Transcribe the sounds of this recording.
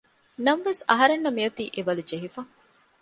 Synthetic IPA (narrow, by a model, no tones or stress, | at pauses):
nɐmʋesɐɦɐɾenːɐmijɐt̪iːʔeʋɐlud͡ʒeɦifɐ